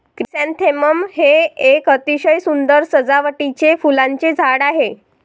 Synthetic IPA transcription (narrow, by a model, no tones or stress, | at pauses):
kɾisant̪ʰeməmheekət̪iɕəjsund̪əɾsəd͡zaʋəʈit͡ɕefulaɲt͡ɕed͡zʱaɽaɦe